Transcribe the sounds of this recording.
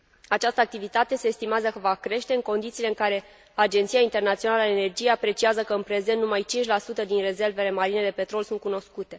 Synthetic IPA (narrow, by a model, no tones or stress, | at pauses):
at͡ʃast̪əak̚t̪ivit̪at̪e̞se̞ːst̪imazəkəvakɾe̞ʃt̪e̞ɨŋko̞nd̪it̪sile̞ɨŋkaɾe̞ | ad͡ʒe̞nt̪sijaint̪e̞rnat̪sionaləene̞rd͡ʒijeapɾe̞t͡ʃiazəkəɨnpɾe̞ze̞nt̪numajt͡ʃint͡ʃʲlasut̪əd̪inre̞ze̞rve̞le̞maɾine̞d̪e̞pe̞t̪ɾo̞lsunt̪̚kuno̞skut̪e̞